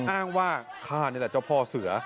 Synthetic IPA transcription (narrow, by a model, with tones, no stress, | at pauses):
ʔaː˥˩ŋwaː˥˩kʰaː˥˩ni˥˩˨lɛ˨˩t͡ɕa˥˩wpʰɔː˧˩sɯ˨˩˦ɐ